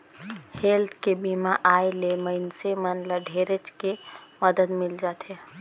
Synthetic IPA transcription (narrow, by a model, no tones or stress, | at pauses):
helt̪ʰkebimaʔaːeleməɪnsemənləɖʱeːɾət͡ʃkeməd̪əd̪mɪld͡ʒaːt̪ɦe